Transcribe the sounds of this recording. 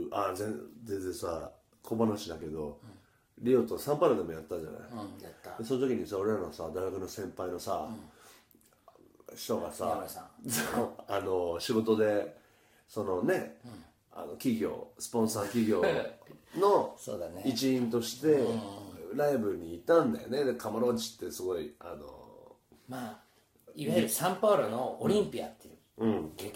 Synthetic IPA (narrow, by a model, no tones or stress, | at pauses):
azẽzẽzesa | kʰo̞banoɕid̪ake̞d̪o̞ | ɾʲioːt̪osãmpaɾod̪emo̞jat̪ːad͡ʑa̰na̰id̪eso̞not̪okʲiɲ̟isao̞ɾe̞ɾanosad̪aiɡakɯ̟no̞sẽ̞mpaino̞sa | ɕi̥t̪o̞ɡasasaano̞ɕiɡo̞t̪o̞d̪e̞ | so̞no̞ne̞ | a̰no̞kʲiɡʲo̞̰ːsɨ̥põ̞ɰ̃saːkʲiɡʲo̞ː | no̞soːd̪aneit͡ɕiĩnt̪o̞ɕi̥t̪e̞ | ɾaibɯ̟ɾɯ̟ɲ̟iːt̪ãnd̪a̰jo̰ne̞d̪ekʰamaɾot͡ɕi̥t̪ːe̞sɨɡo̞ia̰no̰ | ma | isãmpaɾonooɾʲĩmpʲia̰t̪ːe | ɯ̟̃ɴ